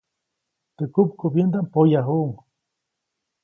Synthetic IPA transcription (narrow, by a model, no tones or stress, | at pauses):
t̪əkupkubjend̪ampojaɦuʔŋ